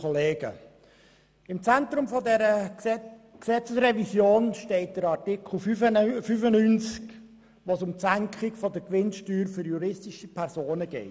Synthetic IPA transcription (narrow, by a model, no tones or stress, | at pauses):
oleːɡə̰ | ɪmt͡sænt̪ɾʊmfɔdɛɾə | ksɛt͡səsrɛvisjoːnʃtɛɪt̚d̪̥əɾɑrtɪkl̩fyfənynt͡sk | ʋosʊmsæŋkχɪkfod̪əkʋɪnʃtyːɾfʏɾjuɾɪstɪʃipʰɛɾzoːnəɡ̥ɛ̰ɪ